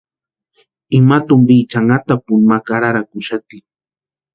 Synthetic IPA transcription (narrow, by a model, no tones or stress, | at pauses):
ɪmat̪ʊmbiːt͡ʃaŋɡat̪apʊnmakaɾaɾakʊʃat̪i